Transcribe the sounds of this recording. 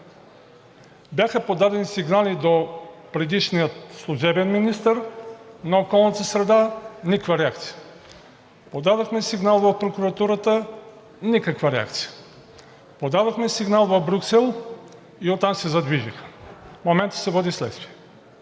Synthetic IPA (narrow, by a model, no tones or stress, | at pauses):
bʲjaxəpod̪ad̪ɛnisiɡnalid̪opɾɛd̪iʃnijət̪slˠuʒɛbɛnminist̪əɾnɐokɔlˠnət̪əsɾɛd̪anʲikvaɾɛak̚t̪si̥jə̥ | pod̪ad̪oxmɛsiɡnalˠvɐfpɾokuɾɐt̪uɾət̪ə | nikəkvaɾɛa̰k̚t̪si̥jə̥ | pod̪ad̪oxmɛsiɡnalˠvɐvbɾʲuksɛlˠ | iot̪ːamsɛzɐd̪viʒixə̥momɛnt̪ə̥sɛvɔd̪islɛ̰t̪st̪viɛ